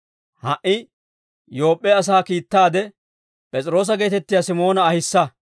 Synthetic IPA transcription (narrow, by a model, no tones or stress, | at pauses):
hɐʔɪ | jo̞ːpʼːɛɐs̬aːkiːt̪ːaːd̪ɛ | pʼɛt͡sʼɪɾo̞ːs̬ɐɡe̞ːt̪ɛt̪ːɪjasɪmo̞ːnɐːhɪsːɐ